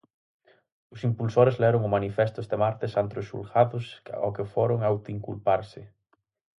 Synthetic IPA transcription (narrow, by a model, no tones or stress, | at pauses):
ʊsimpulsoɾezlɛɾʊŋʊmanifest̪ʊest̪emaɾt̪esant̪ɾosṵlɣaðʊsɔ̰kefoɾʊŋawt̪iŋkṵlpaɾsɪ